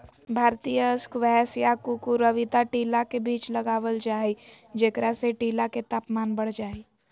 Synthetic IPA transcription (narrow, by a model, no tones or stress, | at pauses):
bʱaːɾt̪ijəskʋɛsjakukuɾəʋɪd̪aʈiːlakebiːt͡ʃləɡaːʋəld͡ʒaːi | d͡ʒeːkɾaseʈiːlaket̪aːpmaːnbəɽ̤d͡ʒaːi